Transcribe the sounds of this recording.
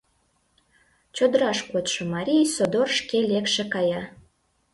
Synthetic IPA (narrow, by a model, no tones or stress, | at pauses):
t͡ɕod̪əɾɑʃkot̪ʃomɑɾʲijsod̪orʃkelekʃekɑjɑ